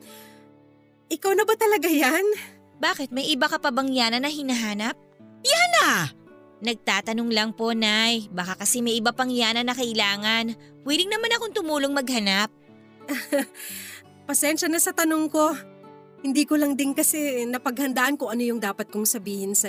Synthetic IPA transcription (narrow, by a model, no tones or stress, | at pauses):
ʔɪkawnɐbɐt̪ɐlɐɡajan | baːkɪt̪̚mɐjʔɪbakɐpɐbɐŋjaːnɐnːɐɦɪnɐɦaːnɐp̚janɐ | nɐɡ̚t̪aːt̪ɐnoŋlɐŋpo̞najbakakɐsɛmɐjʔɪbapɐŋjaːnɐnːɐkɐʔɪlaːŋɐn | wiːlɪŋnɐmanɐkoŋt̪ʊmuːloŋmɐɡ̚hɐnap̚ | pɐsɛnʃɐnɐsɐt̪ɐnoŋko̞ | hɪnd̪iːkolɐŋd̪ɪnkɐsɛnɐpɐɡ̚hɐnd̪aːʔɐnkʊŋɐno̞jʊŋd̪aːpɐt̪̚kʊŋsɐbiːhɪnsɐ